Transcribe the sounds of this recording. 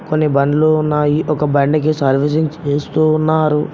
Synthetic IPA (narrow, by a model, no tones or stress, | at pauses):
konːibɐɳɖlounːaːjiʔɔkɐbɐɳɖɐk̬isɐɾʋis̬ɐŋt͡ʃeːst̪unːaːɾu